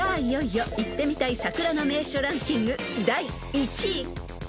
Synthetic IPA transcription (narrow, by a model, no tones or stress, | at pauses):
aijoijoit̪ːe̞mʲit̪aisakɯ̟ɾano̞me̞ːɕoɾãŋkʲĩŋɡɯ̟d̪ai | it͡ɕi